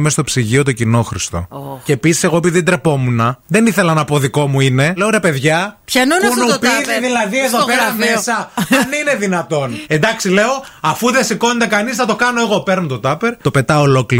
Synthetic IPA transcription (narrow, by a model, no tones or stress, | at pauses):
mest̪o̞psiʝio̞t̪o̞cino̞xɾist̪o̞̰oceːpisi̥se̞ɣo̞epiðid̪ɾe̞po̞munɐðe̞niθe̞lɐnɐpo̞ðiko̞muine̞leoɾe̞pe̞ðʝɐçɐnonpunupiððilɐðieðopeɾɐmesɐɐnine̞ðinɐt̪o̞ne̞nd̪ɐksile̞o̞ɐfuðesiko̞net̪e̞kɐnisnɐt̪o̞kɐno̞e̞ɣo̞pe̞ɾnot̪o̞t̪ɐpeɾt̪o̞pe̞t̪ɐolo̞kli